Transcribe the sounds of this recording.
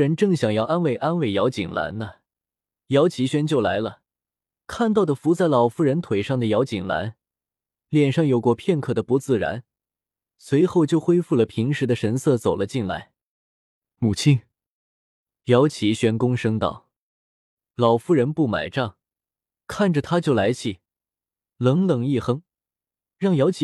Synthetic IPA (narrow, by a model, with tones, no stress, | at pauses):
ɻə˧˥nʈ͡ʂɤ˥˩ŋɕjɑ˨˩ŋjɑ˥˩ʊa˥nwe˥˩ɪʔa˥nwe˥˩ɪjɑ˧˥ʊt͡ɕi˨˩ŋla̰˧˥nnə˧ | jɑ˧˥ʊt͡ɕʰi˧˥ɕɥɛ˥nt͡ɕjo˥˩ʊla˧˥ɪlə˧ | kʰa˥˧nt̪ɑ˥˩ʊd̪ə˩fu˧˥t͡sa˥˩ɪlɑ˨˩ʊfu˥ɻə˧˥nt̪ʰwe˨˩ɪʂɑ˥˩ŋd̪ə˩jɑ˧˥ʊt͡ɕi˨˩ŋla̰˧˥n | ljɛ˨˩nʂɑ˥˩ŋjo˨˩ʊkwɔ˥˧pʰjɛ˥˧nkʰɤ˥˩d̪ə˩pu˧˥t͡sɹ̩˥˩ɻa̰˧˥n | swe˧˥ɪxo˥˧ʊt͡ɕjo˥˩ʊxwe˥ɪfu˥˩lə˩pʰi˧˥ŋʂɻ̩˧˥d̪ə˧ʂə˧˥nsɤ˥˩t͡so˨˩ʊlə˦t͡ɕi˥˩nla̰˥˩ɪ | mu˨˩t͡ɕʰi˥˩n | jɑ˧˥ʊt͡ɕʰi˨˥ɕɥɛ˧˥nkʊ˥ŋʂɤ˥ŋt̪ɑ̰˥˩ʊ | lɑ˨˩ʊfu˥ɻə˧˥npu˥˩ma̰˨˩ɪʈ͡ʂɑ˥˩ŋ | kʰa˥˩nʈ͡ʂə˩t̪ʰa˥t͡ɕjo˥˩ʊla˧˥ɪt͡ɕʰi˨˩ | lɤ˧˥ŋlɤ˨˩ŋi˥˩xɤ˥ŋ | ɻɑ˥˩ŋjɑ˧˥ʊt͡ɕʰ